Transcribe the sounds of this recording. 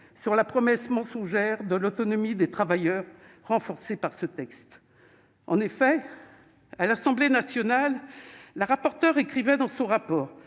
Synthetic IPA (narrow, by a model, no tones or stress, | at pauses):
syʁlapχɔmɛsmɑ̃sɔ̃ʒɛʁd̪əlɔt̪ɔnɔmid̪et̪χavajœʁː | ɑ̃fɔʁsepaʁsət̪ɛkst̪ | ɑ̃nefɛ | alasɑ̃blenasjɔnalːəʁapɔʁt̪œʁekχivɛd̪ɑ̃sɔ̃ʁapɔːʁ